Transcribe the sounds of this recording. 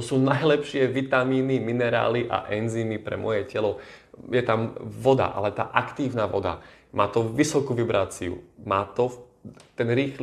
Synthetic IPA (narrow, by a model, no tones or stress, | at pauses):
ɔsuːnajlɛpʃɪɛʋit̪amiːniminɛɾa̰ːliʔa̰ʔɛnziːnipɾɛ̰mɔjɛcɛlɔjɛt̪amʋɔd̪a̰ʔa̰lɛt̪a̰ːʔakt̪iːʊnaʋɔ̰d̪a̰maːt̪ɔʋisɔkuʋibɾaːt͡siṵmaːt̪ɔt̪ɛnɾiːxl